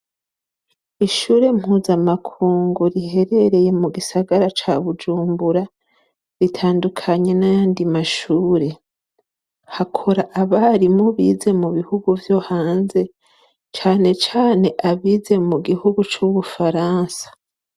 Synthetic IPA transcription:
iʃuːɾe̞m̥huːzamakʰuːŋɡuɾihe̞ɾe̞ɾe̞je̞muɡisaɡaɾat͡ʃaβud͡ʒuːmbuɾa | ɾitʰaːndukʰaɲe̞najaːndimaʃuːɾe̞ | hakʰoɾaʔaβaɾimuβiːze̞muβihuɡuvjo̞haːnze̞ | t͡ʃaːne̞t͡ʃaːne̞ʔaβiːze̞muɡihuɡut͡ʃuβufaɾaːnsḁ

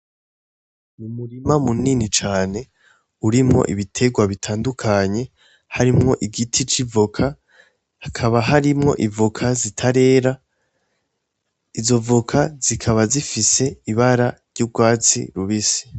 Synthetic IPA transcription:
mumuɾimamuninit͡ʃaːne̞ | uɾimŋo̞̰ʔiβitʰe̞ɡwaβitʰaːndukʰaɲe̞ | haɾimŋo̞ʔiɡitʰit͡ʃivukʰa | hakʰaβaɦaɾimŋo̞̰ʔivukʰazitʰaɾe̞ːɾa | izo̞vukʰaz̥ikʰaβazifise̞iβaɾaɾɟub̚ɡwaːt͡sḭɾuβisi̥

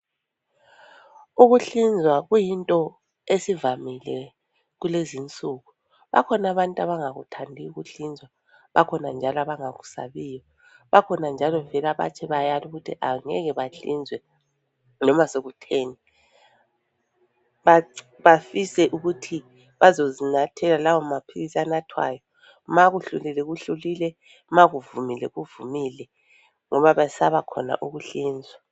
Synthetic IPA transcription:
uɣuɬind͡zʱwaɣujintʼɔ | esivamilɛ | ɣulezint͡sʼuːɣu | βa̰kʰɔnaβantʼaβaŋaɣṵtʰandʱiuɣuɬind͡zʱwa | βa̰kʰɔnand͡ʒʱalaβaŋaɣusa̰βiːjɔ | βakʰɔnand͡ʒʱalɔvɛlaβa̰t͡ʃʰɛβajaluɣutʰiʔaŋɛ̰ɣɛβaɬḭnd͡zʱwɛ | nɔmasoɣutʰeːni | βa | βafisɛʔuɣutʰi | βazozinatʰɛlalawɔmapʰilisanatʰwa̰ːjɔ | maɣuɬṵlilɛɣuɬulilɛ | maɣuvumilɛ̰ɣuvumilɛ | ŋɔβaβasaβakʰɔ̰na̰ʔuɣuɬiːnd͡zʱwɛa

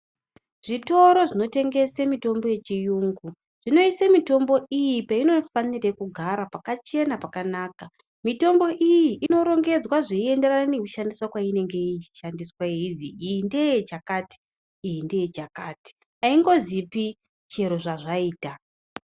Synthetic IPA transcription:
ʐ̥ito̞ɾo̞ʐino̞te̞ŋɡe̞semito̞mbo̞je̞t͡ʃijuːŋɡu | ʐ̥ino̞isemito̞mbo̞ijipaino̞fanirekuɡʱaɾapakat͡ʃe̞napakanaːka | mito̞mbo̞ʔijiʔːno̞ɾo̞ŋɡe̞d͡zwaʐeie̞nde̞ranane̞kuʃandiswakwaine̞ŋɡe̞it͡ʃi̥ʃandiswaiiziijinde̞jet͡ʃakati̥ː | jinde̞jet͡ʃakaːti̥ | aiŋɡo̞zipi | t͡ʃe̞ɾo̞ʐaʐaiːta

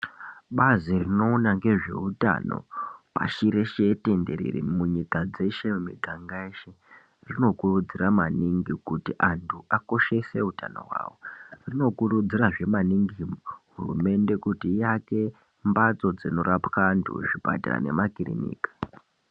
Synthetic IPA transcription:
ɓazirino̞ːnaŋɡe̞ʐe̞̰uta̰no̞̰pa̰ʃiɾe̞ʃe̞te̞ndeɾḭɾḭmuɲikad͡ze̞ʃe̞mumiɡʱaŋɡaeʃe | rino̞kurud͡ziramaniŋɡikutiʔantʰuʔako̞ʃe̞se̞uta̰no̞̰ɦwa̰ːwo̞rino̞kurud͡ziraʐe̞maniŋɡimɦurume̞nde̞kutijake̞ | mbat͡so̞d͡zino̞ɾapkantʰṵʐiba̰ta̰ra̰ne̞̰makirḭnḭːkḁ

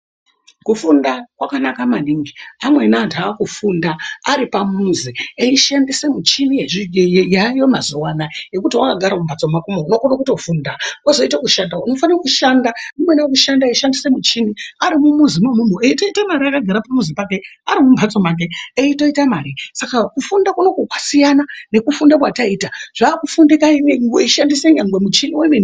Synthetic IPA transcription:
kufundakwakanakamaniŋɡiamwe̞nantʰakufundaːɾipamuzieiʃandisemut͡ʃinijeʐijajomazowanaje̞kutiwakaɡʱaɾamumbʱat͡so̞makumounokonokuto̞fuːndaozo̞itakuʃandauno̞faniokuʃandanimwenakuʃandaiʃandisemut͡ʃiniaɾimumuzimemumueito̞itamaɾiakaɡʱaɾapamuzipak̬e̞aɾimumbʱat͡so̞mak̬e̞eito̞itamaɾisakakufundakuno̞kokwasijanane̞kufundakwataiːtaʐ̥aːkufundikaineŋɡeiʃandiseɲaŋɡwemut͡ʃiniwemeni

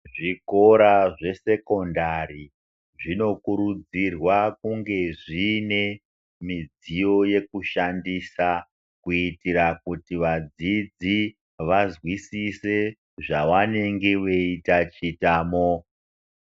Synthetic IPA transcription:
ʐiko̞ɾaʐe̞se̞ko̞ndari | ʐino̞kuɾud͡zirwakuŋɡe̞ʐine̞ | mid͡zijo̞je̞kuʃandiːsa | kuitiɾakutiʋad͡zid͡zi | ʋazwisise̞ | ʐawane̞ŋɡeʋeitat͡ʃitaːmo

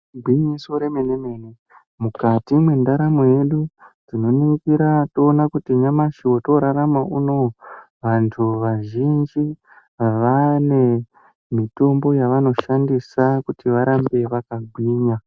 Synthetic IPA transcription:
ɡʱwiɲiso̞ɾe̞meneme̞ːne | mukatimwe̞ndaɾamoje̞ɗud͡zino̞nikiɾatoːnakutiɲamaʃiwo̞to̞ɾaɾamaʔuno̞ | ʋantʰuʋaʒind͡ʒi | ʋane̞ | mito̞mbo̞jaʋano̞ʃandisakutiʋaɾambe̞ʋakaɡʱwiːɲa

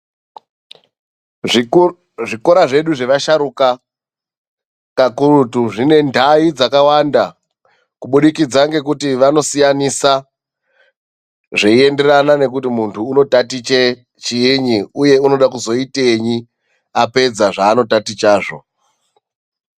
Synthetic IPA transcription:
ʐiko̞ɾaʐe̞ɗuʐe̞ʋaʃaɾuka | kakurutuʐine̞ndʱaid͡zakawanda | kuɓuɗikid͡zaŋɡe̞k̬utiʋano̞sijanisa | ʐeie̞nde̞ranane̞k̬utimuntʰuːno̞tatit͡ʃe | t͡ʃiiɲiuje̞uno̞ɗakuzo̞ite̞ɲi | ape̞d͡zaʐaːno̞tatit͡ʃaːʐo̞̰

